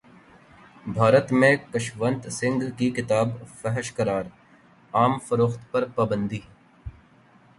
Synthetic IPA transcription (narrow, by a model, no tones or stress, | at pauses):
bʱaːɾət̪mẽkəʃʋə̃nt̪sɪ̃ŋɡʱkikɪt̪aːbfɛɦəʃkɐɾaːɾ | aːmfəɾoːxt̪pɐɾpaːbə̃nd̪iː